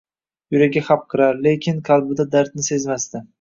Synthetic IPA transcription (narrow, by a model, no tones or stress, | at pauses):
jʊɾaɡʲaχap̚qʰɨɾaɾlekʲʰɪnqʰɑlˠbɪd̪ad̪aɾt̪nɪse̞zmast̪ɪ